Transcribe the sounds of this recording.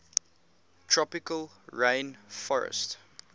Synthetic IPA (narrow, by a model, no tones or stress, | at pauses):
tʰɹɔpɪkəl | ɹẽɪ̃nfɔɹə̰st